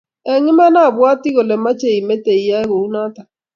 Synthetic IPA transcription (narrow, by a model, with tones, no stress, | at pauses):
ɛ˨ŋɪ˦ma˦na˦˨bwa˦tɪ˦ɣo˨le˨ma˦t͡ʃe˨i˨me˦te˨i˨ja˦ɛ˦ɣo˨u˦na˦ta˨